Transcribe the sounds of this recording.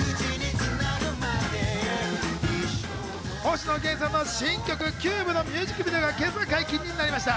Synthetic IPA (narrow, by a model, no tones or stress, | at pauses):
n | hõ̞ːɕino̞ɡẽ̞ɰ̃sanːoɕĩŋkʲo̞kɯ̟kʲɨːbɯ̟no̞mʲɨːʑikːɯ̟bʲid̪oɡakẽ̞zakaikʲĩɲ̟ːinaɾʲimaɕi̥t̪a